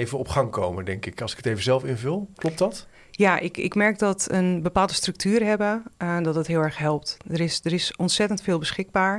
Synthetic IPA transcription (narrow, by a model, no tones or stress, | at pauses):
ejvəɔpχɑŋkowməndɛŋkɪkɑlˠsɪ̥kə̥tejvəzɛlˠfɪnvəlˠklɔp̚tdɑt | jaʔɪkɪ̰kmɛɹk̚dɔtənbəpaːlˠdəstrɵk̚tʰyːrɦɛbədɔtdətɦɪːlˠɛɹχɦɛlˠp̚tdəɾɪsdəɾɪsɔntsɛtəntfɪːlˠbəsχɪɡ̚baːɹ